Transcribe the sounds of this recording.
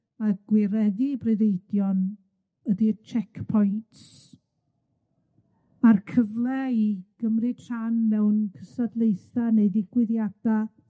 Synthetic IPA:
maɡ̥wɪɾɛðibrɨðejdjɔn | ədit͡ʃʰɛkʰpʰɔjntʰs | markʰəvlˠɛiɡ̥əmrɨtʰr̥anːɛwnkʰəsadlˠejθaneɨðiɡ̥wɪðjad̥a

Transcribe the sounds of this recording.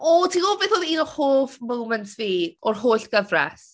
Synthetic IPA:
ɔtʰiːɡoːbeːθɔðiːnɔhoːfmowmɛntʰviːɔrhoːɬɡ̥əvrɛ̰s

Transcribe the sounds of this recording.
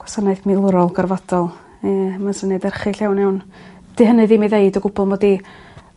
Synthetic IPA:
ɡ̥wasanajθmilˠʊɾɔlˠɡarvadɔlˠ | ɛməsənɛdɛrχɪɬɛwnɛwn | d̥ɨɦənɨðiːmiðeɨdəɡʊbɔlˠmɔdi

